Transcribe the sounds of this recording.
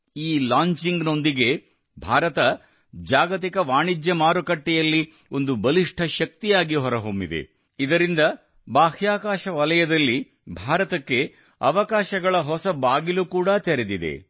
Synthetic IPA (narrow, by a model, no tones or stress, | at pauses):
iːlaːɲt͡ʃiŋɡno̞nd̪iɡe̞ | bʱaːɾɐt̪ɐ | d͡ʒaːɡɐt̪̬ikɐʋaːɳid͡ʒjɐmaːɾukɐʈːɛjɐlːi | o̞nd̪ubɐliʂʈʰɐʃɐk̚t̪ijaːɡiɦɔɾɐɦombid̪ḛ | id̪ɐɾind̪ɐ | baːhjaːkaːʃɐʋɐlɐjɐd̪ɐlːi | bʱaːɾɐt̪ɐkːe̞ | ɐ̰ʋɐkaːʃɐɡɐɭɐɦɔsɐbaːɡilukuːɽɐt̪eɾed̪id̪ḛ